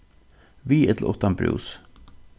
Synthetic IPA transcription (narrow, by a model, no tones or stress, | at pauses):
ʋiːɛt̪l̩ʔɔ̰t̪ɑmbɾʉ̰ːs